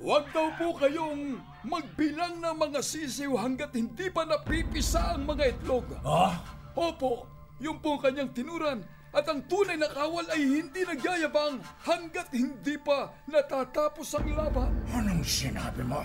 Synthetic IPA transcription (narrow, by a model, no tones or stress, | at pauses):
wɐɡ̚d̪ɐwpokɐjoŋ | mɐɡ̚bɪlaŋnɐmɐŋasis̬ɪwɦɐŋɡat̪hɪnd̪ipɐnɐpipɪsaʔɐŋmɐŋaʔɪt̪loɡa | ʔoːpo̞ʔ | jʊmpoŋkɐɲaŋt̪ɪnuːɾɐn | ʔɐt̪ɐŋt̪uːnɐjnɐkaːwɐlɐjhɪnd̪inɐɡaːjɐbaŋhɐŋɡat̪hɪnd̪ipɐ | nɐt̪aːt̪aːpo̞sɐŋlaːbɐʔanoŋsɪna̰ːbɪmo